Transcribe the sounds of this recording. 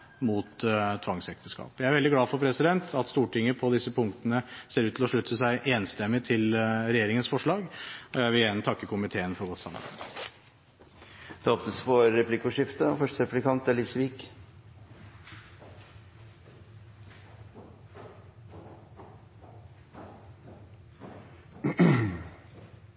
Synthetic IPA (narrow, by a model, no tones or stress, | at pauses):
muːt̪t̪ʰʋɑŋsɛk̚t̪əskɑ̰ːpjæɪæɾʋɛld̪ɪɡlɑːfɔɾpʰɾɛsɪd̪ɛnt̪ʰɑt̪st̪uːʈɪŋːəpʰɔd̪ɪsːəpʰʊŋk̚t̪ənəseːɾʉːt̪ʰlɔʂɭʉt̪ʰːəsæɪʔeːnst̪ɛmːɪt̪ʰɪlɾɛjeːɾɪŋənsfɔʂɭɑːɡɔjæɪʋɪljæːnət̪ʰɑkːəkʰʊmɪt̪ʰeːənfɔɾɡɔt̪sɑ̰mːɑ̰ɾbæ̰ɪd̪ | d̪̥ɛɔpnəspʰɔɾɛpʰlɪkʊʂɪft̪əfœʂʈəɾɛplɪkɑnt̪æliːsʋiːk